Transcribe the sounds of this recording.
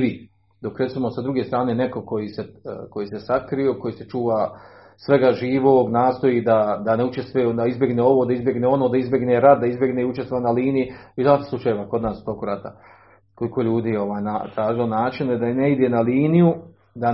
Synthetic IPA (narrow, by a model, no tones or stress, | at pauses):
ʋi | d̪o̞kɾet̪simosad̪ɾuɡest̪ɾaːnene̞ko̞ko̞jiːseko̞jiːse̞sakɾio̞ːko̞jiːse̞t͡ʃuːʋaː | sʋe̞ɡaʒiːʋoːɡnaːst̪o̞jiːd̪ad̪ane̞ut͡ʃest̪ʋed̪aizbʲje̞ɡneo̞ʋod̪aizbjeɡneːo̞noːd̪aizbʲje̞ɡneːɾat̪̚d̪aizbʲje̞ɡneiut͡ʃest̪ʋoanaliːnijiizaːt̪slˠut͡ʃajeʋaːko̞d̪naːsu̥t̪o̞kuɾat̪a | koliko̞ʎuːd̪iːjo̞ʋaːjnat̪ɾaːʒilonaːt͡ʃined̪aneid̪e̞naliːniju | d̪a